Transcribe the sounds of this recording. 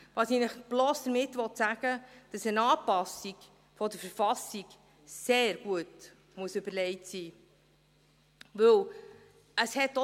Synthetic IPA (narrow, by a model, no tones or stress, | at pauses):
ʋɑːsinəχb̥loːsd̥̪əɾmɪtːʋɔtsæɡ̥əd̥ɑsənɑːpɑsiɡ̥ | fɔd̪əɾfəɾfɑsiɡ̥ | seːɾɡuət | muəsʉbəɾlɛɪtsiː | ʋɵw | əshɛtːɔ